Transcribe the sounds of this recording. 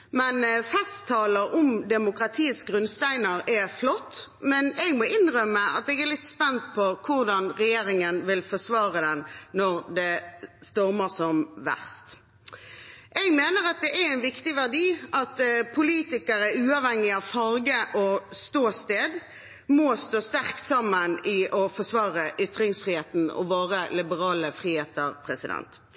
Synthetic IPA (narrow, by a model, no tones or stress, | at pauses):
mɛnfɛst̪ʰːɑːləɾʊmd̪ɛmʊkɾɑt̪ʰiːəsɡʁʉnst̪æɪnəɾɛflɔt̪ːmɛnɛɡmɔʔɪnʁœmːəʔɑ̰t̪ɛɡɛʁlɪt̪spɛnt̪pʰɔkʰʊʁd̪ɑnʁɛjeːɾɪŋənʋɪlfɔsʋɑːʁəd̪ɛnnɔʁd̪ɛst̪ɔʁməsɔmʋæ̰ʁst̪ | ʔɛɡmeːnəʁɑt̪̚d̪ɛʔæɾæɪnʋɪkt̪ɪʋæʁd̪iːʔɑt̪pʰʊliːt̪ɪkəɾəʉːɑʋhɛŋːɪɑʋfɑɾɡəʔɔst̪oːst̪eːd̪ | mɔst̪oːst̪æʁkt̪sɑmːənɪʔɔfɔsʋɑːʁəʔʏt̪ʁɪŋsfʁiːheːt̪n̩ɔ̰ʋoːʁəlɪbəʁɑːləfʁiːheːt̪əʁpʰʁɛsɪd̪ɛ̰nt̪